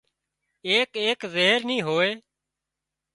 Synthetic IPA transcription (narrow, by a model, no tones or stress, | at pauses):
eːkeːkzeːɦəɾnĩːɦoːeː